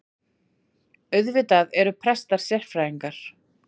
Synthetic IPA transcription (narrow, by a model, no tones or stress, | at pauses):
œɥðvɪt̪aðɛɾʏpʰɾɛst̪aɾ̥sjɛr̥fɾajiŋkaɾ̥